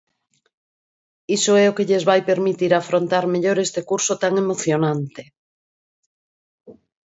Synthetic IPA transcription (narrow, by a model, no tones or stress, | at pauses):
isoɛokeʎezβajpeɾmit̪iɾafɾont̪aɾmeʎoɾest̪ekuɾsot̪aŋemoθjonãnt̪e